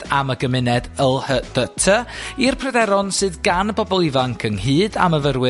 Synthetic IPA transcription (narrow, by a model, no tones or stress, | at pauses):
aməɡəmɪnɛdəlˠhəd̥ətʰəirpʰrədɛɾɔnsɨːðɡanəbɔbɔlˠivaŋkʰəŋɦɨːda̰məvərwɪ